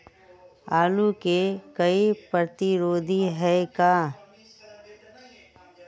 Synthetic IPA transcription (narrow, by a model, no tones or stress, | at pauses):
aːlukekɐipɾət̪iɾoːd̪ʱiɦɛkaː